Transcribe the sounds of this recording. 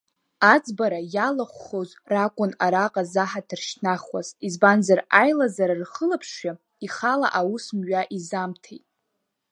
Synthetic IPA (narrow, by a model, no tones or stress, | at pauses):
ad͡zʼbaɾajalaχʷːoz | rakʷʼʊnaɾaqʼazaħadʰɨrʃnaχwa̰zizbanzarajlazaɾarχəlapʰʂa | iχala̰ʔawusmɥaʔizamtʰejtʼ